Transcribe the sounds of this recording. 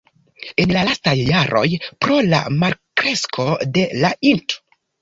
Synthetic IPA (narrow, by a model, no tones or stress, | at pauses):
e̞nlalastajːaɾʔo̞̰jpɾo̞la̰maɾkɾe̞skʰo̞de̞lainto̥